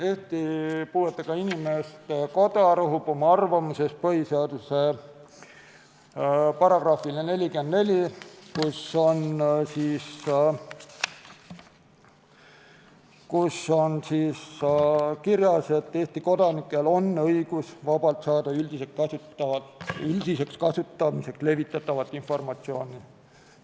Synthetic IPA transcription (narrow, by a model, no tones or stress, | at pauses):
e̞ːht̪ipuːet̪ˑːɑkɑinimest̪ko̞d̪̥ɑɾɑɦub̥o̞mɑɑrvɑmuse̞s̚pɤhiseɑd̪use | pɑɾɑɡ̥rɑːfilene̞lʲikend̪ne̞lʲikuso̞nsiːs | kuso̞nsiːs | kiɾjɑse̞t̪ːeːst̪iko̞d̪̥ɑnikːˑe̞lo̞nːɤjɡ̥usvɑbɑlt̪sɑːd̪̥ɑyld̪̥isekkɑsutːɑɑyld̪̥ise̞kskɑsut̪ːˑɑmise̞ksle̞vit̪ːˑɑt̪ːˑɑvɑt̪ːˑinfo̞rmɑt̪sio̞ːni